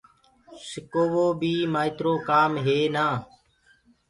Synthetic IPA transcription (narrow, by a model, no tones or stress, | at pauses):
sɪkoːʋoːbiːmaːɪt̪ɾoːkaːmɦeːnaː